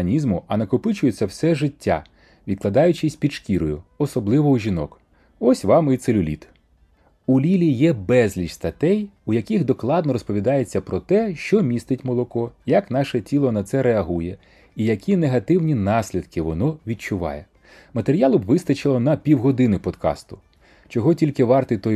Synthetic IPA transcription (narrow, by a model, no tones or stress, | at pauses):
nʲizmʊɐnɐkʊpɪt͡ʃʊjet͡sʲːɐwsɛʒɪtʲːa̰ | ʋʲid̪klˠɐd̪ɑjʊt͡ʃɪsʲpʲidʃkʲiɾɔjʊɔsɔblˠɪʋɔwʒʲinɔk | ɔsʲʋɑmit̪selʲʊlʲḭt̪ | ulʲilʲijɛbɛzʲlʲit͡ʃst̪ɐt̪ɛjujɐkʲixd̪ɔklˠɑd̪nɔɾɔspɔʋʲid̪ɑjet͡sʲːɐpɾɔt̪ɛʃt͡ʃɔmʲist̪ɪtʲmɔlˠɔkɔjɐknɑʃɛtʲilˠɔnɐt̪sɛɾeɐɦujɛ | ijɐkʲineɦɐt̪ɪwnʲinɑsʲlʲid̪kɪʋɔnɔʋʲid̚t͡ʃʊʋɑ̰jɛ | mɐt̪eɾʲijɑlˠʊbʋɪst̪ɐt͡ʃɪlˠɔnɐpʲiwɦɔd̪ɪnɪpɔd̪kɑ̰st̪ʊ̥ | t͡ʃɔɦɔtʲilʲkɪʋɑrt̪ɪt̪ɔj